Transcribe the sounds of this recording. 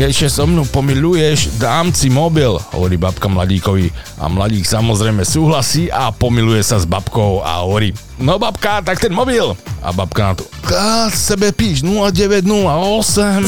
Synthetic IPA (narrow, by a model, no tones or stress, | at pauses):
jɛʃɛsɔmnupɔmilujɛʒd̪aːmt͡simɔbilɦɔ̰ʋɔɾiːbapkamla̰ɟiːkɔʋi | a̰mlaɟiːksamɔzɾɛjmɛsuːɦlasiːʔapɔmilujɛsazbapkɔʊa̰ɦɔʋɔɾiː | nɔbapkat̪ak̚t̪ɛnmɔbila̰bap̚kanat̪ɔ̥kasɛbɛpiːʒnulaɟɛʋɛɟnulaɔsɛm